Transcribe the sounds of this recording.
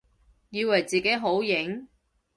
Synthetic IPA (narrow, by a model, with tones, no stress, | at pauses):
jiː˧wɐ˨˩jt͡siː˨ke˨˥jɦo˨˥wjɪ˨˥ŋ